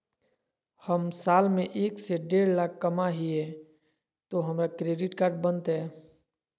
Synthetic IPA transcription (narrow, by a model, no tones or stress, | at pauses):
həmsaːlmẽʔeːkseɖeːɾlaːkʰːəmaɦiɛ | t̪oɦəmɾakɾeːɖɪʈkaːɾʈ̚bənt̪ɦɛː